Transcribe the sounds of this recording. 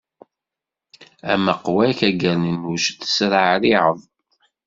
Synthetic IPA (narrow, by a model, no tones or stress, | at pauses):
æməqwæçæɡəɾnənuʃθə̥sɾaʕɾiʕəðˤ